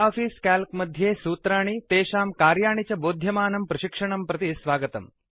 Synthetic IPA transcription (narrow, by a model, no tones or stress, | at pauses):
aːfiːskaːlkmɐd̪ʱjeːsuːt̪ɾaːɳit̪eːʃaːmkaːɾjaːɳit͡ʃɐboːd̪ʱjɐmaːnɐmpɾɐʃikʂɐɳɐmpɾɐt̪isʋaːɡɐt̪ɐm